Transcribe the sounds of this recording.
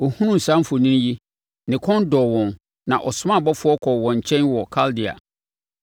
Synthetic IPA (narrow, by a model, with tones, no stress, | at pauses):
ɔ˨hũ˦nũ˦n̩˨sã˦m˦fʊ˨nĩ˦n˦ji˦ | nɪ̃˨kʰɔ̃˦ndɔ˨wɔ̃˨n | nã˨ʔɔ˨sʊ˦mã˦˨bɔ˦fʊ˦ɔ˦kʰɔ˨wɔ̃˨ɲ˨t͡ɕʰɛ̃˦nwɔ˨kʰa˦ldi˨a̰˨